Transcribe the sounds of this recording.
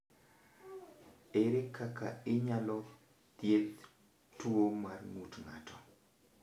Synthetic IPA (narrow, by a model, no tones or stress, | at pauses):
eɾekʰaka̰ɪɲalɔ | t̪jet̪ | tuomarŋutŋa̰tʰɔ̥